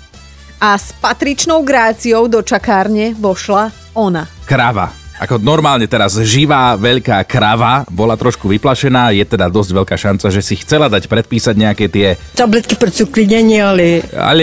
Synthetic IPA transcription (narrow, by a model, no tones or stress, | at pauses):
aspat̪ɾit͡ʃnɔʊɡɾaːt͡siɔʊd̪ɔt͡ʃakaːɾɲɛʋɔʃla | ɔnakɾaʋa̰ʔa̰kɔnɔɾmaːlɲɛt̪ɛɾazʒiʋaːʋɛʎkaːkɾaʋabɔlat̪ɾɔʃkuʋiplaʃɛnaːjɛt̪ɛd̪ad̪ɔzɟʋɛʎkaːʃant͡saʒɛsixt͡sɛlad̪acpɾɛt̪̚piːsaɟɲɛakɛt̪ɪɛt̪ablɛt̪̚kiprt͡sukliɲɛɲɛalɛa̰l